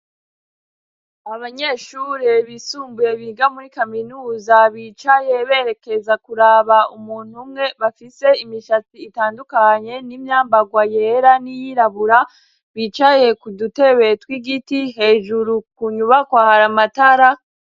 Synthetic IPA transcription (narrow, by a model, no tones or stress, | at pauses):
aβaɲe̞ːʃuːɾeβisuːmbuje̞βiːɡamuɾikaminuːzaβit͡ʃaje̞βe̞ːɾe̞ke̞zakuɾaβaumuːn̥humŋe̞βafise̞imiʃat͡siːtaːndukaɲe̞nimɲaːmbaɡwajeɾanijiɾaβuɾa | βiːt͡ʃaje̞kudute̞βe̞twiɡitiɦe̞ːʒuɾukuɲuβakwahaɾamataɾa